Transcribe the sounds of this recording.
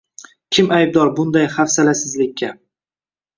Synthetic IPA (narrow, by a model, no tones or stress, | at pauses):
kʲʰɪmajb̚d̪ɒɾbʊnd̪ajχafsalasɪzlɪkʲːa